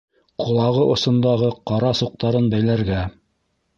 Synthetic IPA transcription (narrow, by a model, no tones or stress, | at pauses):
qʰŏlˠɑʁɤʔŏsɤ̆nd̪ɑʁɤqɑɾɑsuq̚t̪ɑɾɤnbæjlæɾɡæ